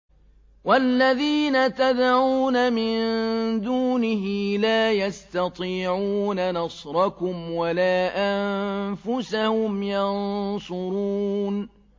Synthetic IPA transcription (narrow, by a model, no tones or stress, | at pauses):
walːaðiːnat̪ad̪ʕuːnamɪnd̪uːnɪɦɪlaːjast̪ɑt̪ˤiːʕuːnanɑsˤɾˤɑkʊmwalaːʔamfʊsahʊmjɑnsʊɾuːn